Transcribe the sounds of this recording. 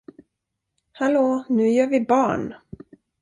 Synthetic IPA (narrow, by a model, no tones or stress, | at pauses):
haloːnʉ̟ːjœːɾvɪbɑːɳ